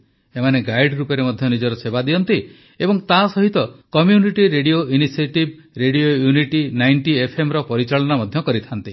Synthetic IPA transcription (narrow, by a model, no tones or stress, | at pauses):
emaneɡajɖɾupɔɾemɔd̪ʱjɔnid͡ʒɔɾɔsebad̪iɔnt̪i | ebɔŋt̪asɔɦit̪ɔkɔmjuniʈiɾeɽioʔinisieʈib | ɾeɽiojuniʈinajɳʈiepʰemɾɔpɔɾit͡ʃaɭɔnamɔd̪ʱjɔkɔɾit̪ʰant̪i